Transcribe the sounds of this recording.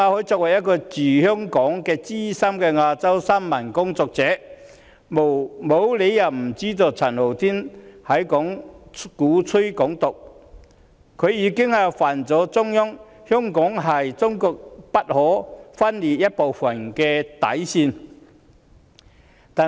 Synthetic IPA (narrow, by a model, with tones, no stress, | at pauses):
ŋaː˧hɔː˨˥jt͡sɔː˧k̚wɐ˨˩jɐ˥t̚kɔː˧t͡siː˨˩hœː˥ŋkɔː˨˥ŋkɛː˧t͡siː˥sɐ˥mkɛː˧ŋaː˧t͡sɐ˥wsa˥mmɐ˨˩nkʊ˥ŋt͡sɔː˧k̚t͡sɛː˨˥ | mo˨mo˨˧˥wle˨˧jːɐ˨˩wm̩˨˩t͡siː˥t̪o˨˧t͡sʰɐ˨˩nlo˨˩wt̪ʰiː˥nhɐ˨˥jkɔ˨˥ŋkuː˨˥t͡sʰɵ˥jkɔː˨˥ŋt̪ʊ˨k̚ | kʰɵ˨˧ɥjiː˨˧kɪ˥ŋa˨˧faː˨˩nt͡sɔː˨˥t͡sʊ˥ŋjʊ˥ŋ | hœː˥ŋkɔː˨˥ŋɦɐ˨jt͡sʊ˥ŋkɔː˧k̚pɐ˥t̚hɔː˨˥fɐ˥nliː˨t̚jɐ˥t̚po˨wfɐ˨˩nkɛː˧t̪ɐ̰˨˥jsiː˧n | t̪aː˨